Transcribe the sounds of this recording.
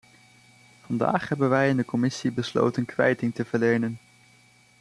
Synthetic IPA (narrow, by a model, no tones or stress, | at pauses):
v̥ɑnda̰ːχɦɛbənʋɛjɪndəkɔmɪsibəslo̰wtənkʋɛ̰jtɪŋtəv̥əɹlejnən